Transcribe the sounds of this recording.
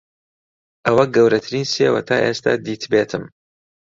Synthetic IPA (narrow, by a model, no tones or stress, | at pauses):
ʔɐwɐɡɐwɾɐt̪ʰɨɾiːnseːwɐ̰t̪ʰaːʔeːst̪ʰa̰ːd̪iːt̪ʰbeːt̪ʰɨm